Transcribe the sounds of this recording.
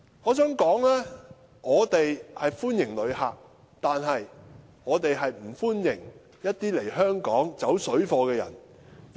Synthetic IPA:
ɔː˨˧sœː˥ŋkɔː˨˥ŋlɛː˥ | ŋɔː˨˧t̪e˨jhɐ˨jfuː˥njɪ˨˩ŋlɵ˨˧ɥhaː˨k̚ | t̪aː˨nɦɐ˨j | ŋɔː˨˧t̪e˨jɦɐ˨jm̩˨˩fuː˥njɪ˨˩ŋ | jɐ˥t̚t̪iː˥le˨˩jɦœː˥ŋkɔː˨˥ŋt͡sɐ˨˥wsɵ˨˥ɥfɔː˧kɛː˧jɐ̰˨˩n

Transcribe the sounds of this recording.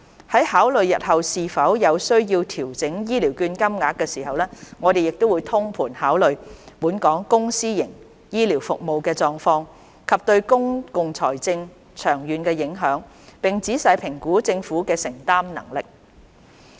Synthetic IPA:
hɐ˨˥jhaː˨˥wlɵ˨ɥjɐ̰˨t̚hɐ˨wsiː˨fɐ˨˥wjɐ˨˧wsɵ˥ɥjiː˧wt̪ʰiː˨˩wt͡sɪ˨˥ŋjiː˥li˨˩wkyː˧nkɐ˥mŋaː˨˧k̚kːɛː˧siː˨˩hɐ˨wlɛː˥ŋɔː˨˧d̪e˨jɪ˨k̚t̪o˥wuː˨˧jt̪ʰʊ˥ŋpʰuː˨˩nhaː˨˥wlɵ˨ɥpuː˨˥nkɔː˨˥ŋkʊ˥ŋsiː˥jɪ˨˩ŋ | jiː˥liː˨˩wfʊ˨k̚mo˨˧wkɛː˧t͡sɔː˨˧ŋfɔː˧ŋ | kʰɐ˨p̚t̪ɵ˧ɥkʊ˥ŋkʊ˨ŋt͡sʰɔː˨˩jt͡sɪ˧ŋ | t͡ʃʰœː˨˩ŋjyː˨˧nkɛː˧jɪ˨˥ŋɦœː˨˥ŋ | pɪ˨ŋt͡siː˨˥sɐ˨˧jpʰɪ˨˩ŋkuː˨˥t͡sɪ˧ŋfuː˨˥kɛː˧sɪ˨˩ŋt̪aː˥mnɐ̰˨˩ŋlɪ˨k̚

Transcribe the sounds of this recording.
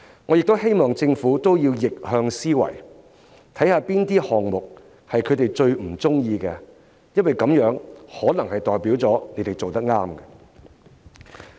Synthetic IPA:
ŋɔː˨˧jɪ˨k̚t̪whe˥jmɔː˨ŋt͡sɪ˧ŋfuː˨˥t̪o˥wjiː˧wjɪ˨k̚hœː˧ŋsiː˥wɐ̰˨˩j | t̪ʰɐ˨˥jhaː˧piː˥nt̪iː˥hɔː˨ŋmʊ˨k̚ | hɐ˨jkʰɵ˨˧t̪e˨jt͡ʃɵ˧ɥm̩˨˩t͡sʊ˥ŋjiː˧kɛː˧ | jɐ˥nwɐ˨˩jkɐ˨˥mjœː˨˥ŋhɔː˨˥nɐ˨˩ŋhɐ˨jt̪ɔː˨˩jpiː˨˥wt͡sɔː˨˥ne˨˥jt̪e˨jt͡so˨wt̪ɐ˥k̚ŋaː˥mɡɛ˧

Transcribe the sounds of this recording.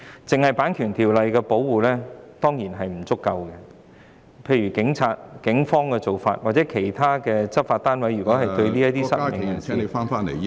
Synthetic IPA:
t͡sɪ˨ŋhɐ˨˩jpaː˨˥nkʰyː˨˩nt̪ʰiː˨˩wlɐ˨jkɛ˧po˨˥wwuː˨˩lɛː˥t̪ɔː˥ŋjiː˨˩nɦɐ˨jm̩˨˩t͡sʊ˥kːɐ˧wkɛ˧ | pʰe˧jɥy˨˩kɪ˨˥ŋt͡sʰaː˧t̚kɪ˨˥ŋfɔː˥ŋkɛː˧t͡so˨wfa̰ː˧t̚waː˨˩t̚t͡sɛː˨˥kʰe˨˩jt̪ʰaː˥kɛː˧t͡sɐ˥p̚faː˧t̚t̪aː˥nwɐ˨˥jɥyː˨kɔː˨˥ɦɐ˨jt̪ɵ˧ɥliː˥jɐ˥t̪iː˥sɐ˥ɪ˨ŋ˨ja˨˩nse˨˧faː˥nfaː˥ne˨˩

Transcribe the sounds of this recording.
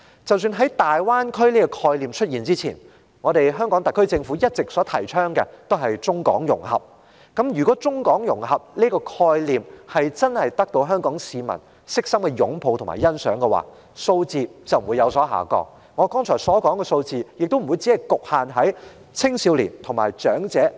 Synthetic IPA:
t͡sɐ˨ws̬yː˧nɦɐ˨˥jt̪aː˨jwaː˥nkʰɵ˥ɥliː˥kɔ˧kʰɔː˧jliː˨mt͡ʃʰɵ˥t̚jiː˨˩nt͡siː˥t͡sʰḭː˨˩n | ŋɔː˨˧ɾe˨jɦœː˥ŋkɔː˨˥ŋt̪ɐ˨kʰːɵ˥ɥt͡sɪ˧ŋfu˨˥jɐ˥t̚t͡sɪ˨k̚sɔː˨˥t̪ʰɐ̰˨˩jt͡ʃʰœː˥ŋkɛ˧t̪o˥wɦɐ˨jt͡sʊ˥ŋkɔ̰ː˨˥ŋjʊ̰˨˩ŋhɐ̰˨˩p̚ | kɐ˨˥mjyː˨˩kɔː˨˦˥t͡sʊ˥ŋkɔː˨˥ŋjʊ˨˩ŋɦɐ˨p̚liː˥kɔː˧kʰɔː˧jliː˨mhɐ˨jt͡sɐ˥nhɐ˨jt̪ɐ˥k̚t̪o˧wɦœː˥ŋkɔː˨˥ŋsiː˨˧mɐ̰˨˩n | sɪ˥k̚sɐ˥mkɛ˧jʊ̰˨˥ŋpʰo˨˧wt̪ʰʊ˨˩ŋma̰ː˨˩jɐ˥nsœ̰ː˨˥ŋkɛ˧wa̰ː˨ | so˧wt͡siː˨˧t͡sɐ˨wm̩˨uː˨˧jɐ˨˧wsɔː˨˥ɦa̰ː˨˩kɔ̰ː˧ | ŋɔː˨˧kɔː˥ŋt͡ʃʰɔː˨˩sɔː˨˥kɔː˨˥ŋkɛ˧so˧wt͡siː˨jɪ˨k̚t̪o˥wm̩˨˩u˨˧jt͡si˨˥ɐ˨jkʊ˨k̚haː˨nɦɐ˨˥j | t͡sʰɪ˥ŋsiː˨˧wlḭː˨˩nt̪ʰʊ˨˩ŋmaː˨˩jt͡ʃœː˨˥ŋt͡sɛː˨˥

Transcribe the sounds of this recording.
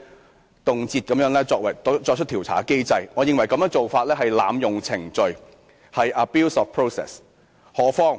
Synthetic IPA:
t̪ʊ˨ŋt͡siː˧t̚kɐ˨˦mjœː˨˥ŋlɛː˥t͡sɔː˧k̚wɐ˨˩jɔ˧t͡ʃʰt̪ʰiː˨˩wt͡sʰa̰ː˨˥ke˥jt͡sɐ˧jŋɔː˨˧jɪ˨˧ŋwɐ˨˩jkɐ˧mjœː˥ŋt͡ʃo˨wfaː˧t̚lɛː˥ɦɐ˨jla̰ː˨˧mjʊ˨ŋt͡sʰɪ˨˩ŋt͡ʃɵ˨ɥ | hɐ˨ja˨˧piː˥wsɔː˨˧fpʰɹo˥wsɛ̰ː˨˩s | hɔː˨˥fɔː˥ŋ

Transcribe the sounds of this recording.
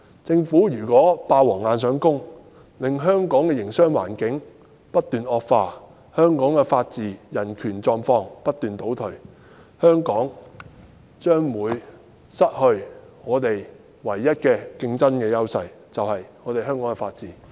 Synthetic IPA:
t͡sɪ˧ŋfuː˨˥jyː˨˩kʷɔː˨˥paː˧wɔː˨˩ŋaː˧nsœː˨˥ŋkʊ˥ŋ | lɪ˨ŋɦœː˥ŋkɔː˨˥ŋkɛː˧jɪ˨˩ŋsœː˥ŋwa̰ː˨˩nkɪ˨˥ŋ | pɐ˥t̚t̪yː˨nɔː˨˧k̚faː˧ | hœː˥ŋkɔː˨˥ŋkɛ˧faː˧t̚t͡siː˨jɐ˨˩nkʰyː˨˩nt͡sɔː˧ŋfɔː˧ŋpɐ˥t̪̚yː˨nt̪o˨˥wt̪ʰɵ˨˩ɥ | hœː˥ŋkɔː˨˥ŋ | t͡ʃœː˥ŋwuː˨˧j | sɐ˥t̚hɵ˧ɥ | ŋɔː˨˧t̪e˨j | wɐ˨˩jːɐ˥t̚kɛː˧kɪ˧ŋt͡sɐ˥nkɛː˧jɐ˥wsɐ˧j | t͡sɐ˨whɐ˨jŋɔː˨˧t̪e˨jɦœː˥ŋkɔː˨˥ŋkɛ˧faː˧t̚t͡siː˨

